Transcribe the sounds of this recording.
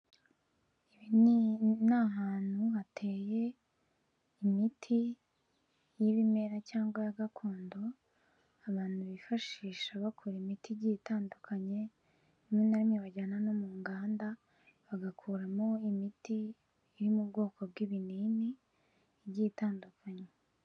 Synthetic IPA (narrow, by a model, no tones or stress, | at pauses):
iβinnaɦaːn̥huhatʰe̞ːje | imitʰi | jiβime̞ɾacaːŋɡwajaɡakʰoːndo̞ | aβaːn̥huβifaʃiːʃaβakʰoɾemitiɟiːtaːndukʰaɲe̞ | umŋenaɾimɲiβaɟaːnano̞muːŋɡaːnda | βaɡakʰuːɾamo̞imitiː | ɾimubɡo̞ːkob̚ɡwiβiniːni | ɾɟiːtaːndukaɲe